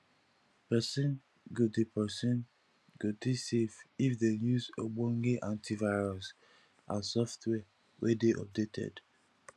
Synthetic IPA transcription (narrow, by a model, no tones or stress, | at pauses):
pɛsĩn | ɡudepɛsĩn | ɡudisevifdejuzoɡ͡bɔ̃ŋɡeʔãntʰivaɪɹɔs | ãsɔftʰwɛ | wʔɛdeʔɔ̰p̚detʰɛ̰d